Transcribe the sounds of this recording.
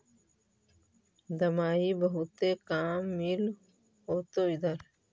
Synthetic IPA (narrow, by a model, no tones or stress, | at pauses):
d̪ɐmaːibəɦʊt̪ːekaːmːɪl | ɦoːt̪oːid̪əɾ